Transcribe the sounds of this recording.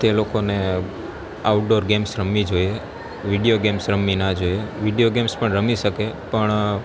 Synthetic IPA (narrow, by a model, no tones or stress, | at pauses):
t̪elokone | aʈ̚ɖoɾɡemsɾəmid͡ʒoje | ʋiɖijoɡemsɾəminad͡ʒojeʋiɖijoɡemspəɳɾəmiʃəkepəɳ